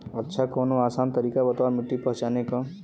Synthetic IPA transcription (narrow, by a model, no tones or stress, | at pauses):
ətːʃʰakɔːnoaːsaːnt̪əɾiːkabət̪aɾmɪʈːipɔɦt͡ʃaneka